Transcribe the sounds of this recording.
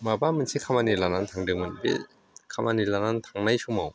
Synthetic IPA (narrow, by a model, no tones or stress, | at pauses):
mabamɯnsʰikʰamanilanant̪ʰaŋdɯŋmɯnbḛ | kʰamʔanilanant̪ʰaŋnajsumaw